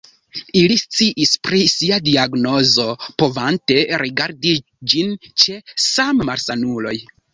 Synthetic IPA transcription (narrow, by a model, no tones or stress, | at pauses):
ilist͡siʔispɾisiadiaɡno̞zo̞po̞vante̞ɾiɡaɾdi | d͡ʒint͡ʃe̞sammaɾsanulo̞̰j